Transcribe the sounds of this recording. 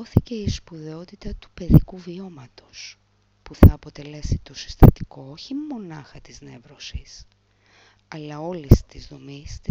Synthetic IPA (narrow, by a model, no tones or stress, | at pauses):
oθice̞ispuðe̞o̞t̪it̪ɐt̪u̥pe̞ðikuvio̞mɐt̪o̞s | puθɐːpo̞t̪e̞le̞sit̪o̞si̥st̪ɐt̪iko̞oçimmo̞nɐxɐt̪izne̞vɾosis | ɐlɐo̞list̪izðo̞mist̪